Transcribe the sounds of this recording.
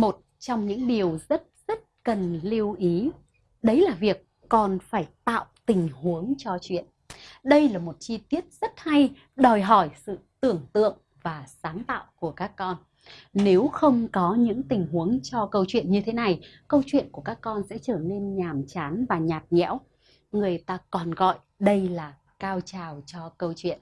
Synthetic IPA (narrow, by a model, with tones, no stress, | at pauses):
mo˨˩t̚t͡ɕɔ˧wŋ͡mɲɨ̰˧˥ŋɗi˨˩əwzə˦˥t̚z̥ə˦˥t̚kə˨˩nli˧əwʔi˨˦ | ɗə˨˦jlaː˨˩vi˨˩əkːɔ˨˩nfaː˧˩jt̪a̰ː˧˨wt̪ï˨˩ŋ̟hu˨˦əŋt͡ɕɔ˧t͡ɕwḭ˧˨ən | ɗə˧jlaː˨˩mo˨˩t̚t͡ɕi˧t̪i˦˥ət̚z̥ə˦˥t̚ha˧j | ɗɔ˨˩jɦɔ˧˩jsɨ̰˧˨t̪ɨ˨˩əŋt̪ɨ̰˧˨əŋ | vaː˨˩saː˨˦nt̪a̰ː˧˨wku˧˩əkaː˦˥kːɔ˧n | ne˨˦wxə˧wŋ͡mkɔ˨˦ɲɨ̰˧˥ŋt̪ï˨˩ŋ̟hu˨˦əŋt͡ɕɔ˧kə˧wt͡ɕwḭ˧˨ənɲɨ˧t̪ʰe˨˦na˨˩j | kə˧wt͡ɕwḭ˧˨ənku˧˩əkaː˦˥kːɔ˧nsɛ̰˧˥t͡ɕəː˧˩ne˧nɲaː˨˩mt͡ɕaː˨˦nvaː˨˩ɲaː˨˩t̚ɲɛ̰˧˥w | ŋɨ˨˩əjt̪aː˧kɔ˨˩nɣɔ̰˧˨j | ɗə˧jlaː˨˩ | kaː˧wt͡ɕaː˨˩wt͡ɕɔ˧kə˧wt͡ɕwḭ˧˨ən